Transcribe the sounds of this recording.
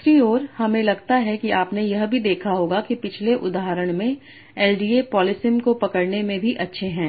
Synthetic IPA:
sɾioːɾhɐmẽlɐɡt̪aɦɛkiʔaːpnejɐɦbʱid̪eːkʰaɦoːɡakipɪt͡ʃʰleʔʊd̪aːɦəɾəɽ̃mẽ | ɛːlɖiːepɔːlɪsɪmkopɐkəɽnemẽbʱiʔɐtːʃʰeɦɛ̃ː

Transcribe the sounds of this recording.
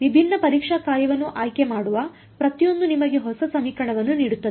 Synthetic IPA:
ʋibʱinːɐpɐɾiːkʂaːkaːɾjɐʋɐnːuʔaːjke̞maːɽuʋɐ | pɾɐt̪ijo̞nd̪unimɐɡe̞ɦɔsɐsɐmiːkɐɳɐʋɐnːuniːɽut̪ːɐd̪e

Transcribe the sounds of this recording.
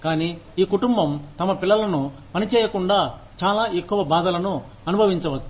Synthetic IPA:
kaːniːiːkuʈumbɐmt̪ɐmɐpilːɐlɐnupɐnit͡ʃɛːjɐkuɳɖaː | t͡ʃaːlaːekːuʋɐbaːd̪ɐlɐnu | ɐnubʱɐʋiɲt͡ʃɐʋɐt̪ː

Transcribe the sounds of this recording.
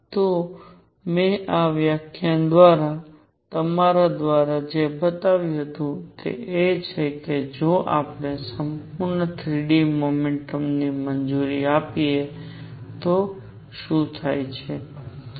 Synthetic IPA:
t̪o | mẽʔaʋjakʰjand̪ʋaɾa | t̪əmaɾad̪ʋaɾad͡ʒebət̪aʋjũɦət̪ũt̪ḛʔet͡ʃʰeked͡ʒoʔa̰pɽ̃esəmpuɾnət̪ʰɾiɖimomeɳʈəmnimənd͡ʒuɾiapie | t̪o | ʃũt̪ʰajt͡ʃʰe

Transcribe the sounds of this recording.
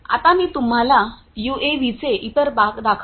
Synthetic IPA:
a̰t̪amiːt̪um̤ala | jueʋit͡seʔit̪əɾbakd̪akʰ

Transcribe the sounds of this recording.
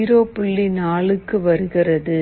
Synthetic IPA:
ɾoːpʊɭːinaːɭɯkːɯʋɐɾɯɣɪrɐðɯ

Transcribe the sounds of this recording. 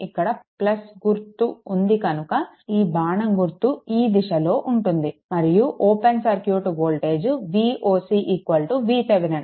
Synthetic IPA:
ikːɐɽɐplɐsɡuɾt̪ːuːnd̪ikɐnukɐ | iːbaːɳɐŋɡuɾt̪ːuiːd̪iʃɐlo̞ːʔuɳʈund̪imɐɾijuʔoːpensɐɾkjuːʈuɡoːlʈe̞ːd͡ʒʋiːʔoːsiːʔikʋɐlʈuʋiːt̪ɐʋinɐn

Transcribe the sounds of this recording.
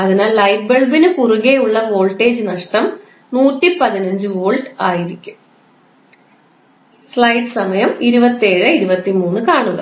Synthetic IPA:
ɐðinaːlːɐjʈ̚beɭbinɨkuruɣejuɭːɐʋo̞ːɭʈːe̞ːd͡ʑɨnɐʂʈɐm | nuːʈːipɐðinɐɲd͡ʑɨʋoːɭɖaːjiɾikʲːum | sɭɐjɖɨsɐmɐjɐmiɾubɐt̪ːieːɻɨiɾubɐt̪ːimuːnːɨkaːɳuɣɐ̰

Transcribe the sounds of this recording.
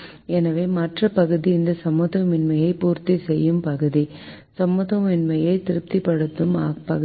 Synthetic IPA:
ɛnɐʋeːmɐʈrɐpɐɣɯðiɪnd̪ɐsɐmɯðɐmɪnmɐjɐɪpuːɾt̪isɛjːɯmpɐɣɯði | sɐmːɯðɐmɪnmɐjɐɪt̪ɪɾɯp̚t̪ipɐɽɯt̪ːɯmaːpɐɣ

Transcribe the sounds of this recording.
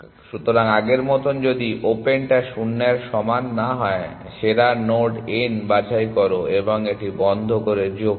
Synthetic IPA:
ʃut̪oɾaŋaɡeɾmɔt̪ond͡ʑod̪iʔopenʈaʃunːeɾʃɔmanːaɦɔe | ʃeɾanoɾɖenbad͡ʑajkɔɾoeboŋeʈibɔnd̪ʱokoɾed͡ʑo

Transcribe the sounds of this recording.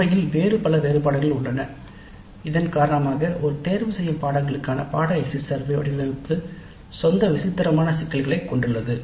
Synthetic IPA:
ɐjɪlʋeːɾɯpɐlɐʋeːɾɯpaːɽɐɣɐɭʊɳɖɐnɐ | ɪðɐnkaːɾɐɳɐmaːɣɐʔɔɾɯt̪eːɾʋɯsɛjːɯmpaːɽɐŋɡɐɭɯkːaːnɐ̰paːɽɐɐɪsɪsɐɾʋiɐ̰ɽɪlɐɾɯkːɯ | sɔnd̪ɐʋɪsɪt̪ːɪɾɐmaːnɐsɪkːɐlɣɐɭɐɪkːɔɳɖɯɭːɐðɯ

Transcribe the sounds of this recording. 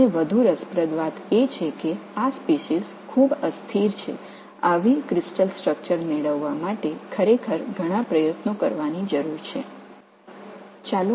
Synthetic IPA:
eʋəd̪ʱuɾəspɾəd̪ʋat̪et͡ʃʰekeaspeʃiz | kʰubəst̪ʰiɾt͡ʃʰḛ | aʋikɾɪsʈəlsʈɾək̚t͡ʃəɾneɭəʋːamaʈekʰəɾekʰəɾɡʱəɽ̃apɾəjət̪nokəɾʋanid͡ʒəɾuɾt͡ʃʰḛ | t͡ʃal

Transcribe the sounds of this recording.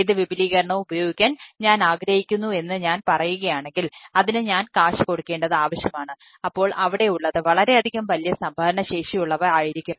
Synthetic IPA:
ðɨʋibʱiliːɣɐɾɐɳɐmubɐjo̞ːɡikʲːaːnɲaːnaːɡɾɐhikʲːunːue̞nːɨɲaːnpɐrɐjuɣɐjaːɳe̞ŋɡilɐðinɨɲaːnkaːʂɨko̞ɽukːe̞ːɳɖɐðɨaːʋɐɕjɐmaːɳɨ | ɐpːo̞ːɭʔɐʋiɽe̞uɭːɐðɨʋɐɭɐɾe̞ɐd̪ʱiɣɐmʋɐlijɐsɐmbʱaːɾɐɳɐɕe̞ːʂijuɭːɐʋɐaːjiɾikʲːu

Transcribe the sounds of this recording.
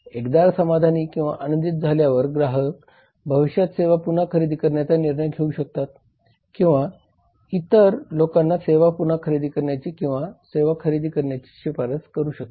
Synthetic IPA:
ekd̪aɾsəmad̪ʱaniːkĩw̃ʋa̰ʔanənd̪it̪̚d͡zʱaljaʋəɾɡɾaɦək | bʱəʋiɕjat̪seʋapunakʰəɾid̪iːkəɾɳjat͡saniɾɳəjɡʰʱeuːɕək̚t̪at̪ | kĩw̃ʋa | it̪əɾlokanːaseʋapunakʰəɾid̪ʱiːkəɾɳjat͡ɕiːkĩw̃ʋaseʋakʰəɾid̪ʱiːkəɾɳjat͡ɕi̥ːɕipaɾəskəɾuːɕək̚t̪e̥

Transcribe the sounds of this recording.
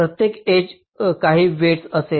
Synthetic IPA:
ɾət̪jeked͡ʑ | kaɦiːʋeʈsəse

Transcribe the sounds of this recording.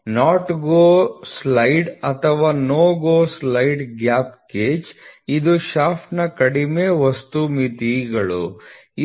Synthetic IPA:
naːʈɡoːslɐjɖɐt̪ʰɐʋaːnoːɡoːslɐjɖɡjaːpkeːt͡ʃid̪uʃaːpʰnɐkɐɽimeːʋɐst̪umit̪iɡɐɭṵ

